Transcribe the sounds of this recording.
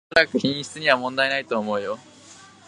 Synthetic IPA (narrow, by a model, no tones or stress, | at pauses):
ɾakɯ̟çĩɰ̃ɕi̥t͡sɨɲ̟iβamõ̞nd̪aenait̪o̞ːmo̞ɯ̟jo̞